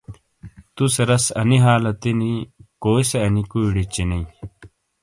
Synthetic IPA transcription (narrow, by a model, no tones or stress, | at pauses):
t̪usɐɾɐsɐ̰niɦaːlɐt̪inikoːjseɐnikuiɽit͡ɕinɐĩ